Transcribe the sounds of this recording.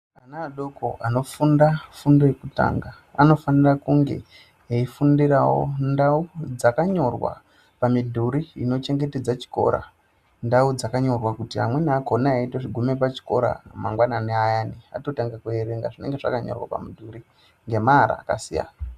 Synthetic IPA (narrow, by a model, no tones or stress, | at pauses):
anaːɗo̞ko̞̰ʔano̞fundafundo̞jekuta̰ːŋɡaːno̞fanirakuŋɡe̞̰ | eifundirawo̰ndaud͡zakaɲo̞rwa̰ | pamidʱuɾiino̞t͡ʃe̞ŋɡe̞te̞d͡zat͡ʃi̥ko̞̰ɾa̰ | ndaud͡zakaɲo̞rwakutia̰mwe̞nako̞naːitoʐiɡʱumepat͡ʃi̥ko̞ɾa̰maŋɡwananeajaːnia̰to̞taŋɡakueɾe̞ŋɡa̰ʐine̞ŋɡe̞ʐa̰kaɲo̞̰rwa̰pa̰midʱuɾi | ŋɡe̞maːɾa̰ːka̰sija̰ːna